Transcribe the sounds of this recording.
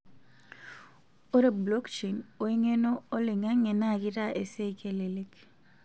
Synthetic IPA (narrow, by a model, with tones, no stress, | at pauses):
o˦ɾe˨blo˦kt͡ʃe˨no˨e˦ŋe˦no˦o˦lɪ˨ŋa˦ŋe˨na˦˨kɪ˦ɾa˦ʔe˨se˦i˨ke˨le˨le˦k